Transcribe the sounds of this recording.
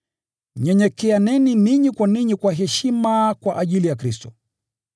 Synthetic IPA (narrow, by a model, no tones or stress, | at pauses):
ɲɛɲɛkɛanɛniniɲikwaniɲikwaɦɛʃimakwaʔaʄilijakɾistɔ